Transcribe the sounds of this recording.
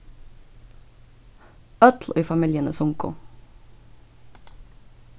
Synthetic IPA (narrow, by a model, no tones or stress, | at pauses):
œt̪l̩ʔiːfɑmɪljənəsʊŋkʊ̰